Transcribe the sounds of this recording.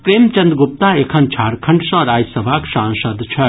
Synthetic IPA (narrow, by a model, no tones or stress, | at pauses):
pɾemt͡ʃɐnd̪ɡup̚t̪aekʰɐnt͡ʃʰaɾkʰɐɳɖsʌ̃ɾad͡ʒsɐbʱaksãnsəd̪t͡ʃʰɐ